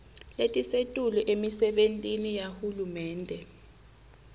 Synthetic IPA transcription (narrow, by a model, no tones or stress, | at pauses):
letʼisetʼulɔʔemisɛɓentʼinijahulumɛːndʱɛ